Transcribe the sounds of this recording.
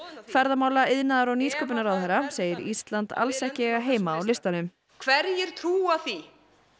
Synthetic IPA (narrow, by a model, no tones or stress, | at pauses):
kʰvɛɾðamaːwlaɪðnaðaɾawniːskœːp̬ɪnaɾawðhɛɾaseːjɪɾḭst̪lant̪a̰lsɛhcɪɛɣaɦeːjmaːwlɪst̪anʏm | kʰvɛɾjɪɾ̥t̪ʰɾuːaθi